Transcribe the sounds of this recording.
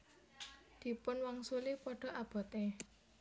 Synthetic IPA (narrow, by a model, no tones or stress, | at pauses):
d̪̥i̤pʊnwaŋsulipɔɖ̥ɔ̤ab̥ɔ̤t̪e